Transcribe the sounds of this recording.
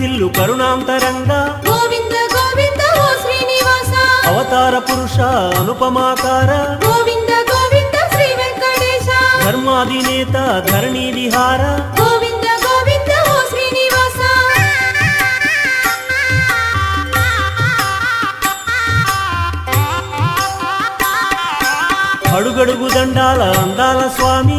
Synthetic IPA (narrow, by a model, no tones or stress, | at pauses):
ilːupɐɾuɳaːmt̪ɐɾɐŋɡaːɡoːʋind̪ɐɡoːʋind̪ɐɦoːʃɾiːniʋaːsaːɐʋɐt̪aːɾɐpuɾuʂaːɐnupɐmaːkaːɾɐɡoːʋind̪ɐɡoːʋind̪ɐʃɾiːʋɐlkɐɖeːʃaːd̪ʱɐɾmɐɐd̪ʱineːt̪ɐd̪ʱɐɾɳiːʋiɦaːɾɐɡoːʋind̪ɐɡoːʋind̪ɐʋoːʃɾiːniʋaːsa | ɐɽuɡeɽuɡud̪ɐɳɖaːlɐɐnd̪aːlɐsʋaːmi